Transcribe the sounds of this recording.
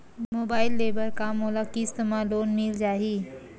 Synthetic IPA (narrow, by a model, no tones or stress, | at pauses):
moːbaːɪlːebəɾkamolakist̪əmãloːnmild͡ʒaːɦi